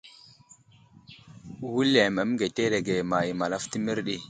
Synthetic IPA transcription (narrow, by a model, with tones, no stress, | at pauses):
wu˦le˨mə˨˦m˦ɡe˨te˦ɾe˨ɡe˨ma˨ji˨ma˨la˦fti˦mi˦ɾɗi˦